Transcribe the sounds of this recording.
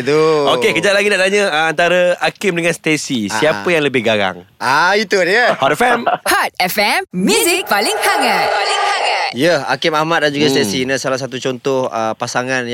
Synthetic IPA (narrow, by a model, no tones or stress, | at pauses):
t̪uokekəd͡ʒat̪laɡidaʔt̪aɲə̃əant̪aɾəakɪmdəŋanst̪esisiapəjaŋləbɪhɡaɾa̰ŋait̪udiəhadəfɛmhat̚ɛfɛmmjuzik̚palɪŋhaŋat̪̚lɪŋaŋatjəa̰kimahmat̪̚dand͡ʒuɡast̪ɛsinasalahsat̪ut͡ʃɔnt̪ɔhəpasaŋãnj